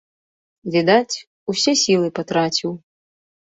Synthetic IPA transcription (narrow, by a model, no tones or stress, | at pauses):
vʲid̪at͡sʲ | usʲɛsʲilˠɨpat̪ɾat͡sʲiw